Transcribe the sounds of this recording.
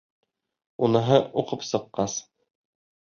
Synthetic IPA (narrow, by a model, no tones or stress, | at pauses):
unɤ̆ɦɤuqɤpsɤ̆qːɑs